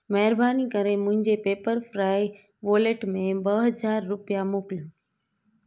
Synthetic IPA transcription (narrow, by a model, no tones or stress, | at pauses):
məɦəɾbʱaːnikəɾemʊ̃ɦɪ̃ɲd͡ʑepeːpəɾfɾaːi | ʋoːleʈmẽbəɦəd͡ʒaːɾːʊpjamʊkl